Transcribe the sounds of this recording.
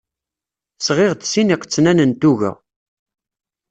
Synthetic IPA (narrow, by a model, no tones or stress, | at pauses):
sʁeʁd̪siniqət͡sːnænənt̪uʝæ̰